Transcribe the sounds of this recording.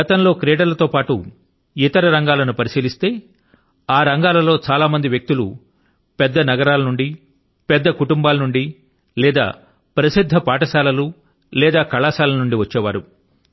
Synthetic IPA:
ɐt̪ɐmlo̞ːkɾeːɖɐlɐt̪o̞ːpaːʈṵ | it̪ɐɾɐɾɐŋɡaːlɐnupɐɾisiːlist̪e̞ː | aːɾɐŋɡaːlɐlo̞ːt͡ʃaːlaːmɐnd̪iʋjɐk̚t̪ulṵ | pɛd̪ːɐnɐɡɐɾaːlɐnuɳɖi | pɛd̪ːɐkuʈumbaːlɐnuɳɖi | lɛːd̪a̰ː | pɾɐsid̪ʱːɐpaːʈɐsaːlɐlu | lɛːd̪aːkɐɭaːsaːlɐnuɳɖiʋɐt͡ʃːɛːʋaːɾu

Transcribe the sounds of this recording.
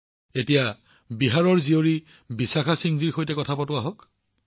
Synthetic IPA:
etija | biɦaɹɔɹzioɹi | bisaxasiŋziɹxojtɛkɔtʰapɔtʊaɦɔk

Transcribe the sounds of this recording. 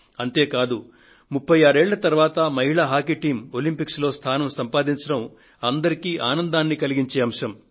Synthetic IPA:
ɐnt̪e̞ːkaːd̪u | mupʰːɐjaːɾeːɭːɐt̪ɐɾʋaːt̪ɐmɐɦiɭaːɦaːkiʈiːmolimpikslo̞ːst̪ʰaːnɐmsɐmpaːd̪iɲt͡ʃɐɽɐm | ɐnd̪ɐɾikiːʔaːnɐnd̪aːnːikɐliɡiɲt͡ʃeːɐmʂɐm

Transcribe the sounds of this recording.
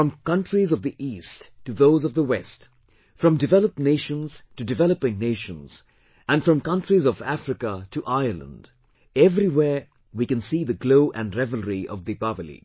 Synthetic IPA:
fɹʌ̃mkʌ̃ntɹizʌvðiʔisttːuðoʊzʌvðəwɛst | fɹʌ̃mdɨvɛlˠəp̚neɪʃə̃nz̥tɨdɨvɛləpɪ̃ŋneɪʃə̃nz̥ | æ̃nfɹʌ̃mkʌ̃ntɹizʌvæfɹɪkətʰuʔaɪə˞lˠə̰̃nd | ɛvɾiwɛɹ | wikɨ̃nsiːðəɡloʊʔɨ̰̃nɹɛvəlˠɹiʔʌ̰vðɨbavəlḭ

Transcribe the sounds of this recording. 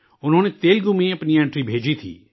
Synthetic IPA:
ʊnɦõːnet̪eːlɡʊ̃mẽɐpniɛ̃ɳʈɾibʱeːd͡ʒit̪ʰḭː

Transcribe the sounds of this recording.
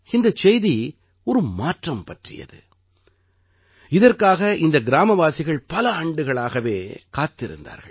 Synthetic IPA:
ɪnd̪ɐt͡ʃɛjði | ɔɾɯmaːʈrɐmpɐʈrɪ̰jɐ̰ðɯ̰ | ɪðɐrkaːɣɐʔɪnd̪ɐɡɪɾaːmɐʋaːsɪɣɐɭpɐlɐaːɳɖɯɣɐɭaːɣɐʋeːkaːt̪ːɪɾɯ̰nd̪a̰ːɾɣɐ̰ɭ

